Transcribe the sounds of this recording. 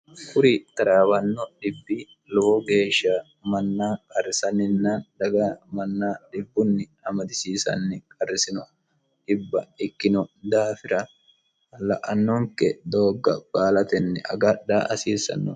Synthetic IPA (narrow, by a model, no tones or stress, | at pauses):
kʊɾit̪ɐɾaːbɐnːɔɗɪbːɪ | lɔɔɡe̞ːʃːaː | mɐnːaːkʼɐrːɪsɐnɪnːɐnd̪ɐɡamɐnːaːɗɪbːʊnːɪ | ɐmɐd̪ɪsiːsɐ̰nːɪkʼɐrːɪsɪnɔ | ᶑɪbːɐ̰ɪkːɪnɔd̪aːfɪɾɐ | ɐlɐʔɐnːɔŋkɛ̰d̪oːɡːɐ̰b̥aːlɐt̪ɛnːɛʔɐ̰ɡɐᶑa̰ːʔɐsiːsɐ̰nːɔ̰